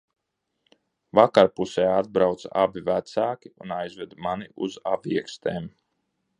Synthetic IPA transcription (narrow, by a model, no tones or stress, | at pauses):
vakaɾpusɛːad̪̚bɾawt̪sabivæt̪saːkʲiunajzvɛd̪maniʔṵzabiɛkst̪eːm